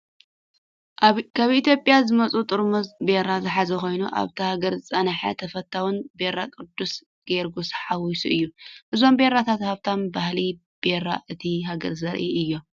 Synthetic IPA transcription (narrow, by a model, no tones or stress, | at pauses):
kʰaβit̪jo̞pʼjazɨmɐt͡sʼut̪ʼɨɾmozbeɾazɨħazɐko̞jnuʔa̰βt̪ʰihaɡɐɾzɨt͡sʼɐnaħɐ̰t̪ʰɐfɐt̪ʰːawɨnbe̞ɾakʼɨd̪ːus | ɡ̥eɾɡusħawisuʔɨjːuʔɨzo̞mbe̞ɾat̪ʰat̪haβt̪ʰanbahli | b̥e̞ɾa̰ʔɨt̪ʰiɦaɡɐ̰ɾzɐɾʔiɨjːo̞